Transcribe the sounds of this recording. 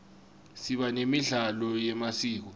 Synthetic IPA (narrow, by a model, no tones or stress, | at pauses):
siɓanemiɮalɔjɛmasiːk̬ɔ